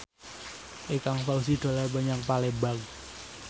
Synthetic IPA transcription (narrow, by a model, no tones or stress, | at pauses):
ʔekaŋfaus̬id̪̥a̤labaɲaŋpalebaɡ